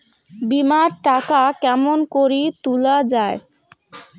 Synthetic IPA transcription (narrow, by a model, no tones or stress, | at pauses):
bimaɾʈakakɛmonkoɾit̪ulad͡ʑae